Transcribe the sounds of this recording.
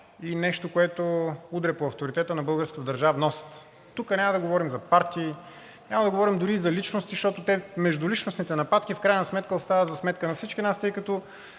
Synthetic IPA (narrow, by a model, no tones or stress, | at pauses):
inɛʃt̪okoɛt̪oud̪ɾɛpoɐft̪oɾit̪ɛt̪ənɐbɤlˠɡəɾskət̪d̪ɐɾʒavnɔst̪ | t̪ukənʲamɐd̪ɐɡovɔɾimzɐpaɾt̪iː | nʲamɐd̪ɐɡovɔɾimd̪ʊɾizɐlit͡ʃnost̪iʃt̪ɔt̪ot̪ɛmɛʒd̪ʊlit͡ʃnosnit̪ɛnɐpat̪kifkɾajnɐsmɛt̪kəost̪avət̪zɐsmɛt̪kənɐfsit͡ʃk̟inast̪ɤjkɐt̪ɔ